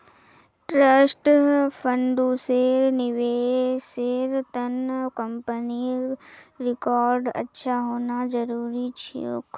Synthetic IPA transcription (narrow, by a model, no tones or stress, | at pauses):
ʈɾəsʈpʰəɳɖuseːɾnɪʋeːseːɾt̪ənkəmpəni | ɾɪkaːɾɖə̰tːʃʰaɦoːnad͡ʒəɾuːɾit͡ʃʰḭo̰ːk